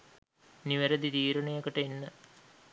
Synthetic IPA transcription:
niʋɐɾɐd̪it̪iːɾɐɳɐjɐkːɐʈenːə

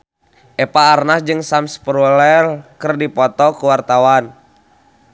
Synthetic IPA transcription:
ʔɛpaːrnasd͡ʒɨŋsamspɾulɛlkərdipɔt̪ɔkuwart̪awan

